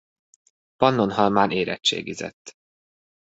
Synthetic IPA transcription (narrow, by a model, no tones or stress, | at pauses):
pɒnːonhɒlmaːneːɾɛt͡ʃt͡ʃːḛːɡizɛ̰t̪ː